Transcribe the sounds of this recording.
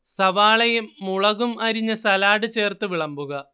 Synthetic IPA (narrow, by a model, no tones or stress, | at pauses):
sɐʋaːɭɐjumːuɭɐɣumɐɾiɲːɐsɐlaːɽɨt͡ɕeːrt̪ɨʋiɭɐmbuɣɐ